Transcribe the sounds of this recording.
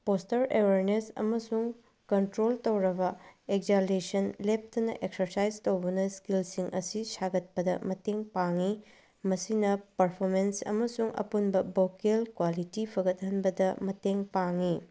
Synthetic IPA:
postɐɾeweɾnesɐ̰mɐsuŋ | kɐntɾoltowɾɐbɐek̚d͡ʒalesɐnlep̚tɐnɐ̰ʔek̚sɐɾsajztowbɐnɐskilsiŋʔɐ̰sisaɡɐt̚pɐdɐmɐteŋpaŋi | mɐsinɐpɐɾpʰoɾmensɐ̰mɐsuŋɐ̰punbɐbokelkwalitipʰɐɡɐt̚ɦɐnbɐdɐmɐteŋpaŋi

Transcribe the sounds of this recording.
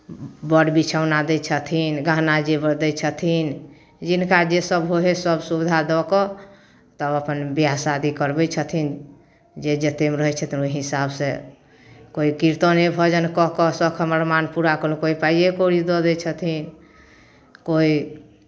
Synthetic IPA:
bəɽbit͡ʃʰaʊnad̪ɛt͡ʃʰət̪ʰinɡaɦnad͡ʒebəɾd̪ɛt͡ʃʰət̪ʰin | d͡ʒinkad͡ʒesəbɦoɦesəbsubd̪ʱad̪ɔkɔ | t̪əbəpənbijasad̪ikəɾbɛt͡ʃʰət̪ʰin | d͡ʒed͡ʒət̪emeɾəɦɛt͡ʃʰət̪ʰinuiɦisabsẽ | koikiɾt̪ɔnebʱɔd͡ʒənkɔɦkɔsɔkʰəməɾmanpuɾakɔlũkoipaijekoɾid̪ɔd̪ɛt͡ʃʰət̪ʰin | koi

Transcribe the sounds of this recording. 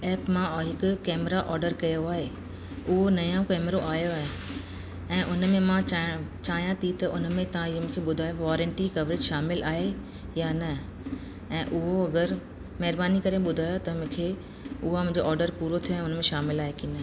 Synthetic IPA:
ɛːpmãɦɪkʊ̆kɛːmɾaʔɔːɾɖəɾkɐjoaːɦe | ʊɦonɐjõkɛːmɾoʔaːjoːɦẽ | ɛ̃ːʔʊnmẽmãt͡ɕaːɦjãt̪ʰit̪ɐʔʊnmẽt̪ɐʋ̤ãɪɦomũːkʰeɓʊd̪ʱaːjoʋɔːɾə̃ɳʈikɐʋɾed͡ʑʃaːmɪlaːɦe | jaːnɐ | ɛ̃ːʔʊɦoɐɡəɾ | mɐɦɪɾbaːnikɐɾeɓʊd̪ʱaːjot̪ɐmũːkʰeː | ʊɦamʊ̃ɦɪ̃ɲd͡ʑoʔɔːɾɖəɾpuːɾot̪ʰijoɛ̃ːʊnmẽʃaːmɪlaːɦekiːnə

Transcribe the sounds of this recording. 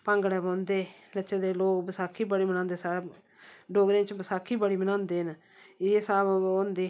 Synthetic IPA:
pəŋɡɽɛːbõːnd̪eː | lət͡ʃeːd̪eːloːkbəsaːkʰːiːbəɽiːmənãːnd̪eːsaːeː | ɖoːɡɾẽːt͡ʃbəsaːkʰiːbəɽiːmənãːnd̪eːn | eːsaːbõːnd̪eː

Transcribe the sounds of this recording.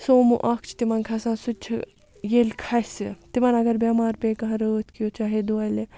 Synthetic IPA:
soːmuʔɐkʰt͡ʃʰt̪imɐnkʰɐsãːsut͡ʃʰ | jeːlkʰɐsɨt̪imɐnɐɡɐɾbʲaːmaːɾpẽːkɐɦɐ̃ɾəːt̪ʰkijot͡ʃaːɦed̪oɐle

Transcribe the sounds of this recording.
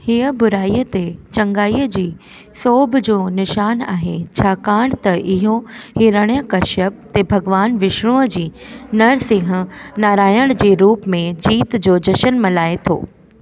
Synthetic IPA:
hiəbʊɾaːiːət̪et͡ɕɐ̃ŋɡaːiːəd͡ʑiː | soːbʱd͡ʑoːnɪʃaːna̰ːɦet͡ɕʰaːkaːɽ̃t̪ɐʔɪɦohɪɾəɽ̃ijəkɐʃəb̚t̪ebʱɐɡʋaːnʋɪʃɽ̃ũəd͡ʑiːnɐɽsɪ̃ɦə̃̆naːɾaːjəɽ̃d͡ʑiːɾuːpmẽd͡ʑiːt̪d͡ʑoːd͡ʑɐʃənmɐlaːet̪ʰo̰ː

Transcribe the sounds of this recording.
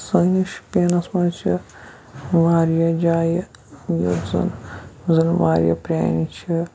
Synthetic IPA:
sɐniʃpʲeːnɐsmɐɾt͡ʃʰi | ʋaːɾjɐd͡ʒaːjɐjɐ̰zɐ̰nzɐnʋaːɾjɐ̰pɾʲa̰ːnit͡ʃʰi

